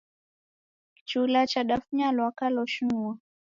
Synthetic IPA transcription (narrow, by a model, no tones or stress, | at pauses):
ki̥t͡ʃulat͡ʃaɗafɲalwakalɔʃuwa